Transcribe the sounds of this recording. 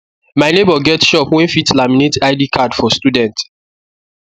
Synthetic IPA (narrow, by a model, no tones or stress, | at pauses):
maɪnebɔɡɛtʃɔpwɛ̃nfitlaminetaɪdikʰadfɔstudɛ̃nt